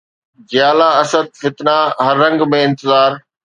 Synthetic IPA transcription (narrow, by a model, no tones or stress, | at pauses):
d͡ʑjaːlaɐsəd̪̚fɪt̪naɦɐɾːɐ̃ŋɡmẽɪ̃nt̪ɪzaːɾ